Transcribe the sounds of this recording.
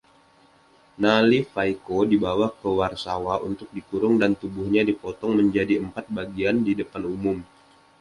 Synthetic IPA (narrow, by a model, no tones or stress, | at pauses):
nalifajkodibawakəwarsawaṵnt̪ʊk̚dik̪uɾʊŋdant̪ubʊhɲadipɔt̪ɔŋməɲd͡ʒadiəmpat̪̚baɡiandidəpanumʊm